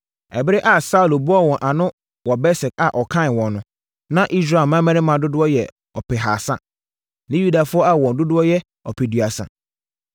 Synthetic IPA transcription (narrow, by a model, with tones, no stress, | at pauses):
ɛ̰˨bɪ˦ɾɪ˦ʔa˨sa˦u˨lbʊ˦ɔ˦wɔ̃˨nʔa˨nʊ̃˦ | wɔ˨bɛ˦sɪ˨ka˨ʔɔ˨kʰã˦˨n˨wɔ̃˨nnʊ̃˨˦ | nã˦ʔi˦s̬ɾa˨mã˦mɛ̃˦nɪ̃˦mã˨dʊ˦dʊ˦ɔ˦jɛ̰˨ | ɔ˨pʰɛ˨ɦa˨sã̰˦ | nɪ̃˦ju˦da˨fʊ˦ɔ˦a˦wɔ̃˨n˨dʊ˦dʊ˦ɔ˦jɛ˦ | ɔ˨pʰɛ˨du˨a˨sã̰˨